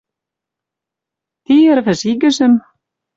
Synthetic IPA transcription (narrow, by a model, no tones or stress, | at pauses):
θiɛɾθɛsiːcʏsɛm